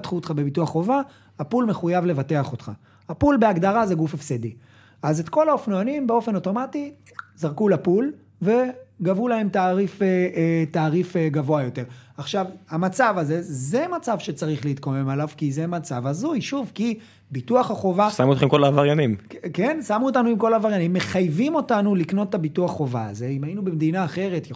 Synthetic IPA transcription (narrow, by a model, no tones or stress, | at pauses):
tχuot̪χabe̞bituaχχova | hapulme̞χujavle̞vate̞aχo̞t̪χa̰ | hapulbeaɡd̪aʁaze̞ɡufefsedi | aze̞tko̞laofnoanimbe̞o̞fe̞noto̞mati | zaʁkulapul | ve̞ɡavulahe̞mtaːʁifetaːʁifeɡavo̞ajo̞te̞ʁaχʃavhamat͡savaze̞ze̞mat͡savʃet͡saʁiχliit̪kome̞malavkizemat͡savazujʃuvki | bituaχaχo̞vasamuot̪χemko̞laːvaʁjanimkke̞nsamuotanuimko̞laːvaʁjanimːe̞χajvimo̞tanulikno̞tːabituaχːo̞va̰ːze̞imajinubemd̪inaːχe̞ʁe̞tj